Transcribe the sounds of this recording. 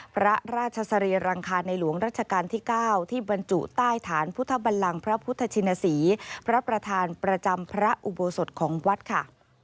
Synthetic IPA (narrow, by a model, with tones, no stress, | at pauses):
pʰɾa˦˥ɾaː˥˩t̪̚t͡ɕʰa˧sa˧ɾiː˧ɾaː˧ŋkʰaː˧nːa˧jlu˨˩˦əŋɾaː˥˩t̪̚t͡ɕʰa˧kaː˧nt̪ʰiː˥˩kaː˥˩wt̪ʰiː˥˩ba˧nt͡ɕu˨˩t̪aː˥˩jt̪ʰaː˩˦npʰu˦˥t̪ʰːa˧˩ba˧nla˧ŋpʰɾa˦˥pʰu˦˥t̪ʰːa˧t͡ɕʰi˧na˧siː˩˦pʰɾa˦˥pɾa˧t̪ʰaː˧npɾa˧t͡ɕa˧mpʰɾa˦˥ʔu˨˩bo˧so˨˩t̪̚kʰɔː˩˦ŋwa˦˥t̪̚kʰa˥˩